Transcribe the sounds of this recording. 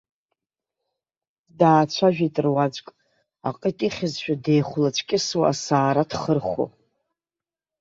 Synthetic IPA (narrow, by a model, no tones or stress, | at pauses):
daːt͡ɕʷʰaʒᶣitʼɨrwad͡ʒʷkʼ | a̰qʼitʼiχʲɪzʃᶣadejχʷlat͡ʃʷʰkʲʼɪswaasaːɾadʰχərχʷo̰